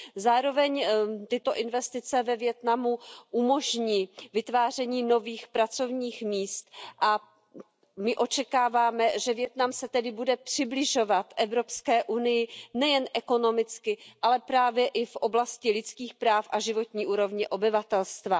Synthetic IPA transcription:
zaːɾo̞vɛɲt̪ɪt̪o̞ʔɪnvɛst̪ɪt͡sɛvɛvjɛt̪namuʔumo̞ʒɲiːvɪt̪vaːr̝ɛɲiːno̞viːxpɾat͡so̞vɲiːxmiːst̪ʔa | mɪʔo̞t͡ʃɛkaːvaːmɛʒɛvjɛt̪namsɛt̪ɛdɪbudɛpr̝̥ɪblɪʒo̞vat̪ʔɛvɾo̞pskɛːʔunɪjɪnɛjɛnʔɛko̞no̞mɪt͡skɪʔalɛpɾaːvjɛʔɪfʔo̞blascɪlɪt͡skiːxpɾaːfʔaʒɪvo̞t̪ɲiːʔuːɾo̞vɲɛʔo̞bɪvat̪ɛlst̪va

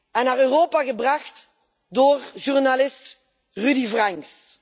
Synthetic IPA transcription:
ɛnːaːʁøːroːpaɣəbraχt | doːrʒurnalɪst | rydivraŋks

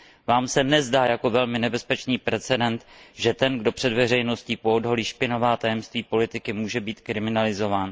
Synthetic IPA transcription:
vaːmsɛnɛzdaːjako̞vɛlmɪnɛbɛspɛt͡ʃniːpɾɛt͡sɛdɛnt̪ʒɛt̪ɛnɡdo̞pr̥ɛdvɛrɛjno̞sciːpoodɦoliːʃpɪnovaːt̪ajɛmst̪viːpo̞lɪt̪ɪkɪmuːʒɛbiːt̪kɾɪmɪnalɪzo̞vaːn

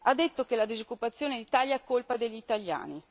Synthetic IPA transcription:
ad̪ːet̪ːokelad̪izokːupat̪sːjoːned̪it̪aljaɛkːolpad̪eʎːit̪alja̰ːni

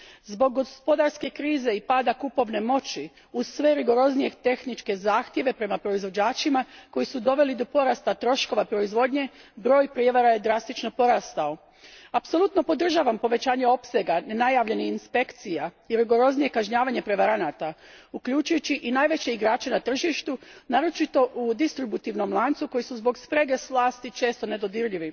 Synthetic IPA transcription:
zbo̞ɡːospo̞d̪aɾske̞kɾiːze̞ipaːd̪akupo̞ʋne̞mo̞t͡ɕi | uzsʋe̞ɾiɡo̞ɾo̞znije̞t̪e̞xnit͡ʃke̞zaːxt̪je̞ʋe̞pɾe̞mapɾo̞izʋo̞d͡ʑaːt͡ʃimako̞jisud̪o̞ʋe̞lid̪o̞po̞ɾast̪at̪ɾo̞ʃko̞ʋapɾo̞izʋo̞d̪ɲe̞bɾo̞ːjpɾjeʋaɾaje̞d̪ɾast̪it͡ʃno̞po̞ɾaːst̪ao̞ | apso̞lut̪no̞po̞d̪r̩ʒaːʋampo̞ʋe̞t͡ɕaːɲe̞o̞pse̞ɡanenajaːʋʎe̞niinspe̞kt̪sija | iɾiɡo̞ɾo̞znije̞kaʒɲaːʋaɲe̞pɾe̞ʋaɾanaːt̪aukʎut͡ʃujut͡ɕiʔinaːjʋet͡ɕe̞iɡɾaːt͡ʃe̞nat̪r̩ʒiʃt̪unaːɾo̞t͡ʃit̪o̞ʔud̪ist̪ɾibut̪iʋno̞mlˠaːnt̪suko̞jisuzbo̞ɡspɾe̞ɡe̞sʋlˠaːst̪it͡ʃe̞ːst̪o̞ne̞d̪o̞d̪iɾʎiʋi

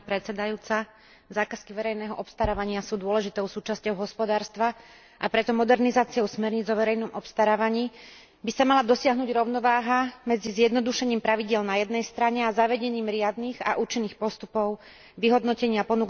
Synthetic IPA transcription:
pɾɛt̪sɛd̪ajuːt͡sa | zaːkaskiʋɛɾɛjnɛːɦɔʔɔpst̪aɾaːʋaɲɪasuːd̪ʊɔlɛʒit̪ɔʊsuːt͡ʃascɔʊɦɔspɔd̪aːɾst̪ʋa | ʔapɾɛt̪ɔmɔd̪ɛɾnizaːt͡siɔʊsmɛɾɲid͡zɔʋɛɾɛjnɔmʔɔpst̪aɾaːʋaɲiː | bisamalad̪ɔsɪaɦnuːɟɾɔʊnɔʋaːɦamɛd͡zizjɛd̪nɔd̪uʃɛɲiːmpɾaʋiɟɪɛlnajɛd̪nɛjst̪ɾaɲɛazaʋɛɟɛɲiːmɾɪad̪niːɣa̰ʔuːt͡ʃinːiːxpɔst̪upɔʊ | ʋiɦɔd̪nɔcɛɲɪapɔnuk

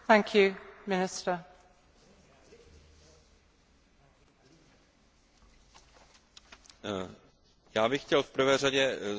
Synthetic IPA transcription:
θæ̃ŋkʰjʉmɪnɪstə | jaːbɪxcɛlfpr̩vɛːraɟɛ

